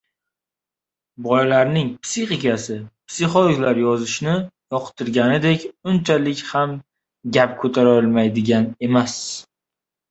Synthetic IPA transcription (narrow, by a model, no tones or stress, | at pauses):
bɒjlaɾnɪŋpsiχikʲasɪpsiχolˠoklaɾjɒzɪʃnɪjɒqʰt̪ʰɪɾɡʲanɪd̪ekʲʊnt͡ʃʰalɪkʲham | ɡʲapkʰɵt̪ʰaɾɒlˠmajd̪ɪɡʲane̞mas